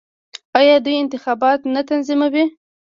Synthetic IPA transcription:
ɑjɑd̪ujɪnt̪ɪxɑbɑt̪nat̪anzimawi

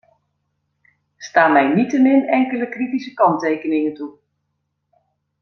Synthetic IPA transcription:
staːmɛjnitəmɪnɛŋkələkritisəkɑntejkənɪŋəntu

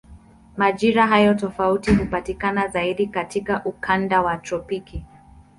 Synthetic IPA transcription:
maʄiɾaɦajɔtɔfautihupatikanazaiɗikatikaʔukʰandawatɾɔpiki

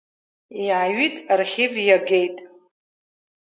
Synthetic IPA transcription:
iʕaɥitʼrχʲɪvjaɡe̞jtʼ

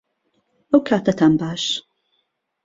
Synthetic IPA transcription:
ʔɐwkʰaːt̪ʰɐt̪ʰaːnbaːʃ

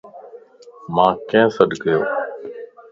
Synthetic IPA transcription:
mãːkẽːsəɗɡəjoː

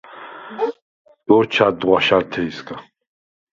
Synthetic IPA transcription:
d̥ɔɾt͡ʃʰad̪ʁʷaʃaɾt̪ʰɛisɡʼa

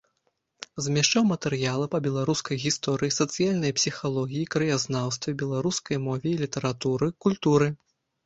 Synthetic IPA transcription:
zmʲɛʂt͡ʂawmɐt̪ɛɾjalˠɐpɐbʲɛlˠaɾuskɐjɣʲist̪ɔɾɨjisɐt̪sɨjalʲnɐjpsʲixalˠɔɣʲijikɾɨjaznawst̪vʲɛbʲɛlˠaɾuskɐjmɔvʲɛilʲit̪ɐɾat̪uɾɨkulʲt̪uɾɨ

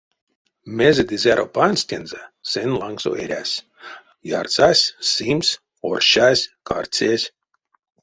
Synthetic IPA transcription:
mʲezed̪ʲizʲaɾʔopanʲsʲt̪ʲenzasenlˠaŋkso̰eɾʲæːsʲ | ja̰rsaːsʲsims | orʃaːsʲka̰rt̪sʲeːsʲ

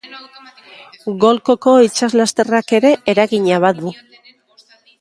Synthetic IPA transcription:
ɣo̞lko̞ko̞it͡ʃazlast̪e̞rake̞ɾe̞ʔeɾaɣiɲaβ̞au

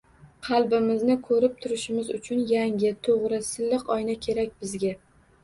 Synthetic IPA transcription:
qʰɑlˠbɪmɪznɪkʰɵɾɪp̚t̪ʰʊɾɪʃɪmɪzʊt͡ʃʰʊnjaŋʲɪt̪ʰoʁɾɪsɪlːɪqɒjnakʲʰe̞ɾakʲbɪzɡʲa

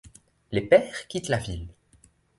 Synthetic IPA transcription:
lepɛːʁkʲit̪lavil

